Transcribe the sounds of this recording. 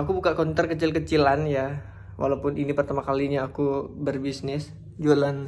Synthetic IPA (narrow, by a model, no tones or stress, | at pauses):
akubukakɔnt̪ərkət͡ʃɪlkət͡ʃilanja | wʔa̰lawpʊninipərt̪amakaliɲaːkubərbisnɪs | d͡ʒolan